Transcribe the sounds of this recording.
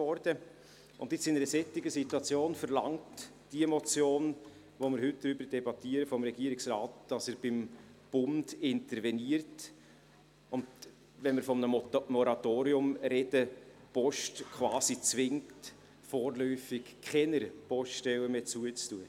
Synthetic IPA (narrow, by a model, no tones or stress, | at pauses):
ɔɾdə | ʔʊndɪt͡sɪnəɾəsɛtːɪɡəsituɑt͡sjoːnfəɾlɑŋt | d̥iəmɔt͡sjoːn | vomɪɾɦʏt̚d̥ɾybəɾd̥ɛbɑt̪iəɾəfɔmɾɛɡiəɾɪksɾɑːtd̥ɑsəːɾb̥ɪm | b̥ʊnd̥ɪntəɾvɛniəɾt | ʊnd | vɛnmɪɾfɔmənəmɔɾɑtoːɾiʊmɾɛd̥əpɔʃtkχvɑːsit͡svɪŋt | foːɾlœʏfɪkʰχɛnəɾpɔʃtɛwəmeːt͡suət͡stuə